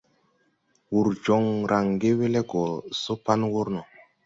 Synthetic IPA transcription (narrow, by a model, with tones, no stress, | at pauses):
wu˨ɾd͡ʒɔ˨ŋɾʔa˨ŋɡe˦we˦le˦ɡɔ˨so˦pa˦nwo˦ɾnɔ˨